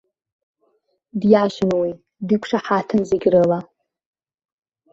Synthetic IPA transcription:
djaʃɪnwi | dikʷʰʂaħatʰɨnzeɡʲrɨla

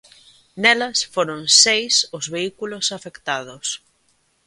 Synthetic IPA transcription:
nɛlɐsfoɾʊŋsejsʊzβeikulʊsafekt̪aðʊs

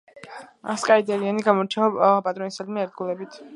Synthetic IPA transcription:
a̰skʼaid̪ɛɾianiɡamɔɾt͡ʃʰɛvapʼat̪ʼɾɔnisalmɛɛɾd̪̚ɡulɛbit̪ʰ

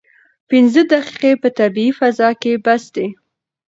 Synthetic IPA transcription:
pɪnzəd̪aqi̥qepət̪abiifazɑkebasd̪e

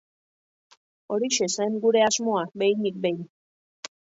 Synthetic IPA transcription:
o̞ɾiʃeseŋɡuɾe̞azmoabejnik̚bej

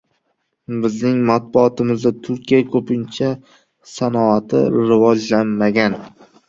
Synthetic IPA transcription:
bɪznɪŋmat̪̚bʊɒt̪ʰɪmɪzd̪at̪ʰʊɾkʲijakʰɵpʰɪnt͡ʃʰa | sanɒat̪ʰɪ̰ɾɪvɒd͡ʒlanmaɡʲan

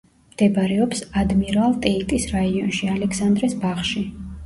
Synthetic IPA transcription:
md̪̥ɛbɾɛɔpsad̪miɾalˠt̪ʼɛit̪ʼisɾaiɔnʃialɛkʰsand̪ɾɛsbaχʃi

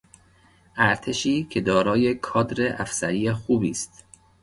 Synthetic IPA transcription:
ʔæɾt̪ʰe̞ʃiːcʰed̪ɒːɾɒːje̞kʰɒːd̪ɾeʔæfsæɾiːjexuːbiːst̪

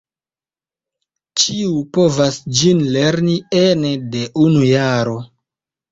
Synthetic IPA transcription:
t͡ʃiupo̞vasd͡ʒinleɾnienede̞ʔunujaɾo̞

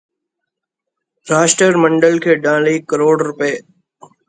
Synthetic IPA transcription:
ɾaːʃʈəɾmə̃ɳɖəlkʰeːɖãːliːkəɾoːɽɾʊpeː

